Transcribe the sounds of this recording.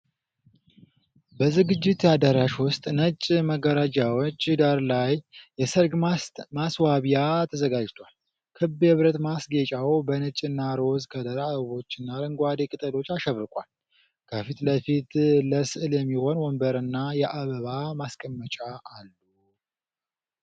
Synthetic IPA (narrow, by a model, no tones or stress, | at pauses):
bəzɨɡɨd͡ʒːɪt̪jad̪əɾaʃwʊst̪ʼnət͡ʃʼməɡəɾəd͡ʒawot͡ʃːɨd̪aɾlajːɛsəɾɡmaswaβijat̪ʰəzəɡad͡ʒt̪ʰwal | kʰɨbɨβɾət̪masɡe̞t͡ʃʼawbənɨt͡ʃʼːɨnːaɾo̞zkʰəd̪əɾaββo̞t͡ʃːɪnːalɨŋɡʷad̪ekʼɨt̪ʼəlo̞t͡ʃːaʃəβɾɨkʼwa̰l | kʰəfit̪ləfit̪ləsɨʔɨljɛmːiho̞nwɔmbəɾɨnːajɛʔaβəβamaskʼəmːət͡ʃʼaːlːu